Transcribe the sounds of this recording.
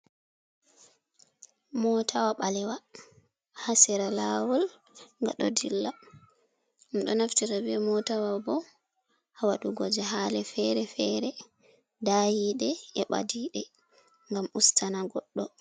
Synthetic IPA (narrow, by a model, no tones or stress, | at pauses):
mɔtʰawaɓalɛwa | hasɛɾalaːwɔl | ŋɡaɗɔ̰dilːa | mɗɔnaftiɾabɛmɔtawabɔ | hawaɗuɡɔd͡ʒɛɦalɛfɛɾɛfɛɾɛ | dajiɗɛɛɓa̰diɗɛ | ŋɡamustʰanaɡɔɗːɔ